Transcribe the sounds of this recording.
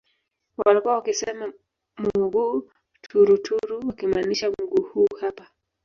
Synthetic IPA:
walikuawakisɛma | muɡuː | tʰuɾutʰuɾuwakimaniʃamuɡuːhuːhapa

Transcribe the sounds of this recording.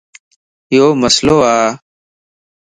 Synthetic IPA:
ɪjoːməsloːaː

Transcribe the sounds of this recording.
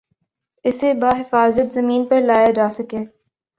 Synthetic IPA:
ɪsebaːɦɪfaːzət̪zɐmĩːnpɐɾlaːjad͡ʒaːsɐkeː

